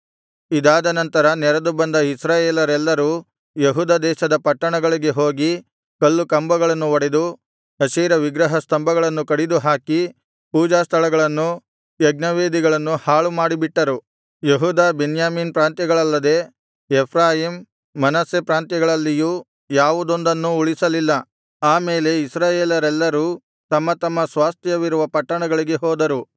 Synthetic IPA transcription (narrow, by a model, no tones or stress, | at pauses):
id̪aːd̪ɐnɐnt̪ɐɾɐnɛɾɐd̪ubɐnd̪ɐisɾaːjeːlɐɾɛlːɐɾuː | jeɦuːd̪aːd̪ɛːʃɐd̪ɐpɐʈːɐɳɐɡɐɭiɡe̞ɦo̞ːɡi | kɐlːukɐmbɐɡɐɭɐnːuʋɐɽed̪u | ɐsiːɾɐʋiɡɾɐɦɐst̪ɐmbɐɡɐɭɐnːukɐɽid̪uɦaːki | puːd͡ʒaːst̪ʰɐɭɐɡɐɭɐnːu | jɐɡnɐʋeːd̪iɡɐɭɐnːuhaːɭumaːɽibiʈːɐɾu | jeɦuːd̪aːbenjaːmiːnpɾaːnt̪jɐɡɐɭɐlːɐd̪e̞ | ɛpʰɾaːjiːmː | ɐnɐsepɾaːnt̪jɐɡɐɭɐlːiju | jaːʋud̪o̞nd̪ɐnːuuɭisɐlilːɐ | aːmeːle̞isɾaːjeːlɐɾɛlːɐɾuː | t̪ɐmːɐt̪ɐmːɐsʋaːst̪ʰjɐʋiɾuʋɐpɐʈːɐɳɐɡɐɭiɡe̞ɦɔːd̪ɐɾu